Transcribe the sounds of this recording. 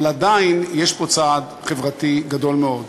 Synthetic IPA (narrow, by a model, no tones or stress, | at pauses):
lad̪ainjeʃpo̞t͡sad̪ | χevʁat̪iɡad̪o̞lmeo̞d̪